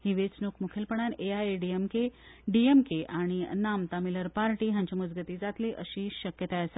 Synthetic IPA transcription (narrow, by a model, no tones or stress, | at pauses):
hiʋet͡snukʰmukʰelpəɳ̃aneaeɖiemke | ɖiemkeʔaɽ̃inamt̪amiləɾpaɾʈiːɦjaɲt͡ɕamud͡zɡət̪iːd͡zat̪liːʔəɕiːɕəkjət̪aəse